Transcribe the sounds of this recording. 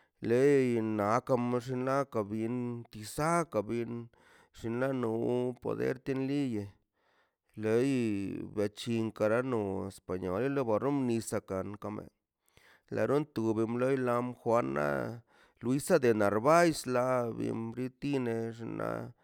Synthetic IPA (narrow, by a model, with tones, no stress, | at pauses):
le˦na˨ka˧mʐi˧nla˦ka˨bi˧nt̪i˧sa˦ka˨bi˧n | ʐ̥i˧nla˦nu˧po̰˧d̪ḛ˦ɾt̪i˦nli˦je˨ | le˧˦jba˨t͡ʃi˧ŋka˧ɾa˦no˧e˨spa˨ɲo̰˧li˦lo˦ba˧ɾo˦mni˧sa˧ka˨nka˧mḛ˨ | la̰˨ɾu˦nt̪u˧bi˧mlo˦jla˧mxwa˧nːa̰˦ | lwi˧˦sa˦d̪e˨na˨ɾba˦jsla˧bḭ˧mɾi˦t̪i˦ne˧ʐi˧na̰˦